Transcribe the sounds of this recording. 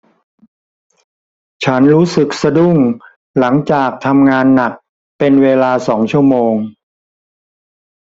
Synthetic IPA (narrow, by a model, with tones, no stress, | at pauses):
t͡ɕʰa˦˥nɾuː˦˥sɯ˨˩k̚sa˧du˥˩ŋ | la˩˦ŋt͡ɕaː˨˩k̚t̪ʰa˧mŋaː˧nːa˨˩k̚ | pe˧nweː˧laː˧sɔː˩˦ŋt͡ɕʰu˥˩əmoː˧ŋ